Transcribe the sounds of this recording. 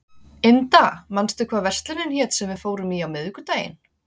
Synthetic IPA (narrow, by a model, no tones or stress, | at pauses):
ɪnt̪amanst̪ʏkʰvaːðvɛr̥st̪lɪnɪnçɛːt̪sɛmvɪðfoːwɾʏmiːawmɪðʏkʏt̪aːjɪ̰n